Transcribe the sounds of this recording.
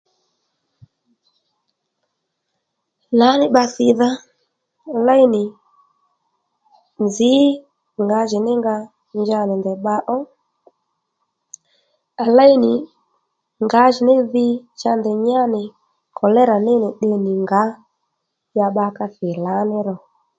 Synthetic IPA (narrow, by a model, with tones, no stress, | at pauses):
la˨˦nɪ˦ɓa˧θɪ˨ða˦ | a˨la˦i˦nɪ˨ | nzɪ˨˦ | ŋɡa˨˦ʒɪ˨nɪ˦ŋɡa˧ | nd͡ʒa˧nɪ˨ndɛ˨ɓa˧ʔɔ˦ | a˨la˦i˦nɪ˨ | ŋɡa˨˦ʒɪ˨nɪ˦ðɪ˦t͡ʃa˧ndɛ˨ɲa˦nɪ˨ | kʰɔ˨lɛ˦ɾa˨nɪ˦nɪ˨ɗɪ˧nɪ˨ŋɡa˨˦ | ja˧ɓa˧ka˧θɪ˨la˨˦nɪ˦ɾɔ˨